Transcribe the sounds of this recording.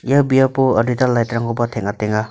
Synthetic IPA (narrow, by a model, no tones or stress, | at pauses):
ijabijapoɔditalːajtɾaŋɔbatʰeŋateŋa